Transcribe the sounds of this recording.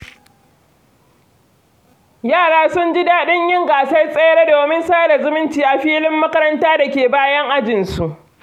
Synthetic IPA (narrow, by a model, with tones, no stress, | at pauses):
jaː˦˨ɽaː˦sʊ˦nd͡ʒɪ˦daː˦ɗɪ˦ɲjɪ˦ŋɡaː˨sa˦jsʼe˦jɽa˦doː˨mɪ˦nsaː˦da˨zʊ˦mɪ˦ntiː˨ʔa˨ɸiː˦lɪ˦mːɐ˦kɐ˦ɾɐ˦ntaː˦da˨kʲeː˨baː˦jɐ˦ŋʔa˦d͡ʒɪ˨nsu˨ʔ